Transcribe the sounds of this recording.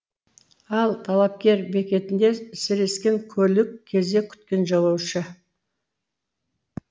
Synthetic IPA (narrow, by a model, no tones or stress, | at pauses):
ɑlˠt̪ʰɑlˠɑp̚kʲe̞ɾbe̞kʲe̞t̪ɪnd̪e̞sɪɾe̞skʲe̞ŋkʲʰɵlɪkʲʰːe̞zd̪e̞kʲʰʏ̥t̪kʲe̞nʒɑlˠɑwʃə